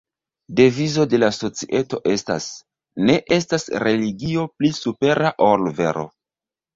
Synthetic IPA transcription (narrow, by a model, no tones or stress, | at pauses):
de̞vizo̞de̞laso̞t͡siʔe̞to̞ʔe̞sta̰s | ne̞ʔe̞stasɾe̞liɡio̞plisupe̞ɾaʔolve̞̰ɾo̞̰